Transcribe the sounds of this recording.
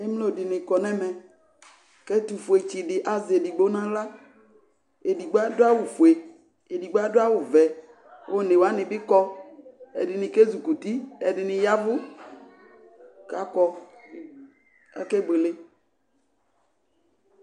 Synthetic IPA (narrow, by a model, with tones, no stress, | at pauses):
e˦m˦lo˦˨dɪ˨nɪ̃˨kɔ˨nɛ̃˦mɛ̃˨ | kɛ˦t̪u˨fu˨e˨t͡ʃi˨ɖɪ˨ʔa˨ze˨di˨ɡ͡bo˦nã˦la˦ | e˨di˨ɡ͡bo˦a˦dʊ˦a˦wʊ˨fu˨e˨ | e˨di˨ɡ͡bo˦a˦dʊ˦a˦wʊ˨vɛ˨ | wʔo˦nẽ˨wa˦nɪ̃˨bɪ˦kɔ˦ | ɛ̰˨dɪ˨nɪ̃˨ke˦zu˨ku˨t̪i˦ɛ˨dɪ˨nɪ̃˨ja˦vʊ˦ | ka˨kɔ˦ | ɛ̰˦ke˦be˨le˦